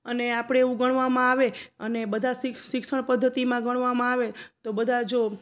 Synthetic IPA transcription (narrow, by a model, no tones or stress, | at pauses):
əneapɽ̃eːʋũɡəɳʋamãaʋeənebəd̪ʱasʃɪksəɳpəd̪ʱːət̪imãɡəɽ̃ʋamãaʋet̪obəd̪ʱad͡ʒo